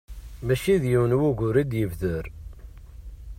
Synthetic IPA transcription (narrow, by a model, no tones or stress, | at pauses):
mæʃiðjiwnwuʝʊɾid̪jəvðəɾ